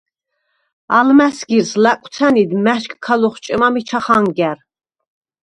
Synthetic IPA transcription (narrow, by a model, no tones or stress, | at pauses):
almæsɡiɾslækʷʼwt̪sʰænid̪mæʃkʰʼkʰːalɔχt͡ʃʼɛmamit͡ʃʰaχaŋɡæɾ